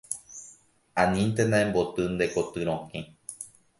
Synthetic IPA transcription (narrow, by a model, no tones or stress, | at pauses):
ãnĩnt̪̬enãẽmbot̪ɨnd̪ekot̪ɨɾ̃õhĩ